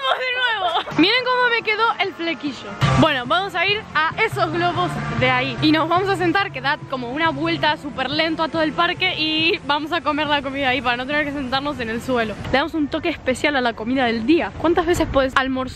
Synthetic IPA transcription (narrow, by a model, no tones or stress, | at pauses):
mozðenweβomiɾeŋko̞mo̞me̞ke̞ðo̞ʔe̞lflekiʃo̞bwe̞no̞βamo̞saiɾaʔe̞so̞zɣlo̞βo̞zðeaiino̞zβamo̞sas̬e̞nt̪aɾke̞ðat̪̚ko̞mo̞unaβwe̞lt̪asupeɾle̞nt̪oat̪o̞ðelpaɾke̞ʔiβamo̞s̬ako̞me̞ɾlako̞miðaaipaɾano̞t̪̬e̞neɾke̞s̬e̞nt̪aɾno̞s̬e̞ne̞lswe̞lole̞ðamo̞sunt̪o̞ke̞ːspe̞sjalalako̞miðaðe̞ld̪iakwant̪azβe̞se̞spweðesalmoɾs